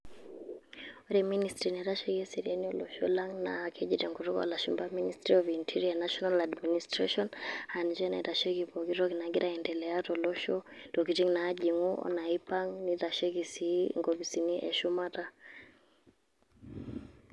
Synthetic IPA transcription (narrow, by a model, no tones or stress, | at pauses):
ɔɾɛministɾiniɾaʃɛkɛsiɾianiɔlɔʃɔ̰laŋna̰kʰɛʄitɛŋɡuɾukɔ̰a̰laʃumbaministɾiɔvintʰiɾianaʃɔnaladministɾaʃɔnhand͡ʒɛna̰ɾaʃɛkipɔɡiɾɔkinaɡiɾaɛndɛlɛatɔlɔʃɔd̥ɔkitiŋnaːʄiŋuʔɔ̰naipaŋniɾaʃɛkisiŋɡɔβisiniʔɛ̰ʃumata